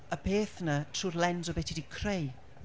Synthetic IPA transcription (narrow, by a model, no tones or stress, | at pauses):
əpʰeːθnətʰruːrlɛnzɔbɪtʰidikʰrej